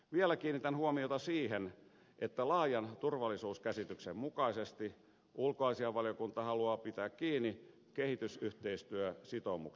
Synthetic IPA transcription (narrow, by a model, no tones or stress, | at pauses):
ʋielækiːnit̪ænhuomiot̪ɑsiːhen | ʔet̪ːælɑːjɑnt̪urʋɑlːˑisuːskæsit̪yksemmukɑisest̪i | ulkoɑisiɑʋɑlijokunt̪ɑhɑluɑːpit̪æːkkiːnːi | kehit̪ysyht̪eist̪yøsit̪omṵk